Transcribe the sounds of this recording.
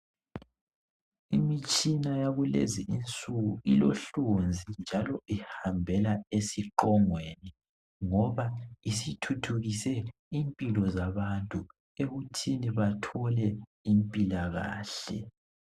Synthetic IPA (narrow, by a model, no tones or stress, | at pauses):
imit͡ʃʼinajaɣulḛziʔint͡sʼuɣuiloɬond͡zʱind͡ʒʱalɔʔihambʱɛlaesiǃɔŋweni | ŋɔβaisitʰutʰuɣisɛ | impʼilɔzaβantʼu | eɣutʰiniβatʰɔlɛimpʼilaɣa̰ːɬɛ